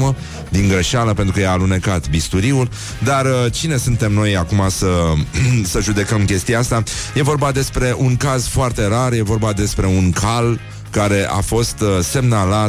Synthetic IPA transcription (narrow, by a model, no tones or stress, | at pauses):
mə | d̪iŋɡɾəʃaləpe̞nt̪ɾukəjaːlunekat̪bist̪uɾiul | d̪art͡ʃine̞sunt̪e̞mno̞jakumasə | səʒud̪e̞kəmkʲe̞st̪ijaast̪aje̞vo̞rbad̪e̞spɾe̞ʔuŋkazfoart̪e̞ɾarje̞vo̞rbad̪e̞spɾe̞unkʰal | kaɾe̞ʔa̰fo̞st̪se̞mnalat̪